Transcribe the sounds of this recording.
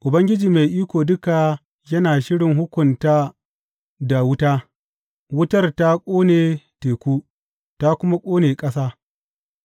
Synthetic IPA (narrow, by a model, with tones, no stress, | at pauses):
ʔʊ˨bɐ˦ŋɡʲɪ˦d͡ʒiː˨me˨jʔiː˦kʷoː˨dʊ˦ka˨ | jɐ˦naː˨ʃɪ˦ɽɪ˨ŋɦʊ˦kʷʊ˨nta˦ | da˨wʊ˦taː˦ | wʊ˦tɐ˦rta˦kʷʼoː˦neː˨teː˨kʷuː˦ | ta˦kʷʊ˦ma˦kʷʼoː˦neː˨kʼɐ˦saː˦